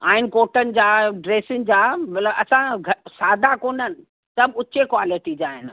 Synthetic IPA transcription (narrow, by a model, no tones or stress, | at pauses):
aːɦɪnɪ̆koːʈənɪ̆d͡ʑaːɖɾeːsɪn̆d͡ʑaːmɐt̪ləbɐsãɡʱɐsaːd̪ʱakoːnənɪ̆ | sɐbʊt͡ɕekwaːlɪʈid͡ʑaːɦɪnɪ̆